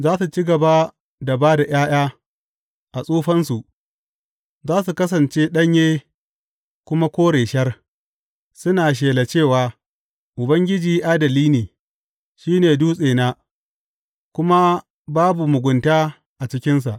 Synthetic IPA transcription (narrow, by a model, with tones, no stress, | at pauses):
zaː˦su˨t͡ʃi˦ɡɐ˨ba˦ | da˨baː˦da˨jaː˦j̰aː˦ | ʔa˨sʼuː˦ɸɐ˦nsu˨ʔ | zaː˦su˨kɐ˦s̬ɐ˨nt͡ʃe˦ɗɐ˦ɲjeː˦ | kʷʊ˦ma˦kʷoː˦ɽeː˨ʃɐ˦r | sʊ˦naː˨ʃ̬eː˨la˨t͡ʃeː˦˨waː˨ | ʔʊ˨bɐ˦ŋɡʲɪ˦d͡ʒiː˨ʔaː˦dɐ˨liː˦neː˨ | ʃiː˦neː˨duː˦sʼeː˨naː˦ | kʷʊ˦ma˦ | baː˦bu˨mʊ˨ɡʷʊ˨ntaː˦ | ʔa˨t͡ʃɪ˦kʲɪ˦ns̬a˨ʔ